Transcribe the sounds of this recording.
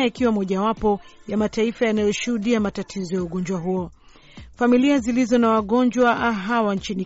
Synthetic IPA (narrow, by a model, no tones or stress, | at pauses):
aikiwamɔʄawapɔjamataifajanajɔʃuhuɗiamatatʰizɔjauɠɔɲd͡ʒwaɦuɔ | familiazilizɔnawaɠɔnd͡ʒwaɦawant͡ʃini